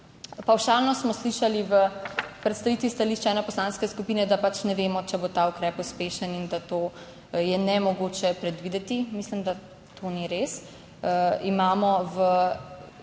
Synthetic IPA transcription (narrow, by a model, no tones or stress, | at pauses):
pawʃalnɔsmɔsliʃaliʋəpɾɛt̪st̪aʋit̪ʋist̪aliʃt͡ʃɛɛnɛpɔslanskɛskupinɛd̪apat͡ʃnɛʋeːmɔt͡ʃɛbot̪aukɾɛpuspeːʃənind̪at̪oː | jɛnɛmɔɡoːt͡ʃɛpɾɛd̪ʋid̪ɛt̪imislimd̪a | t̪ʰoniɾes | imaːmɔʋə